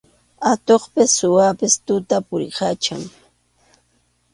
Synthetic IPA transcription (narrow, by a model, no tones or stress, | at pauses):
at̪oχpɪsːʊwapɪst̪ʊt̪apʊɾɢat͡ʃaŋ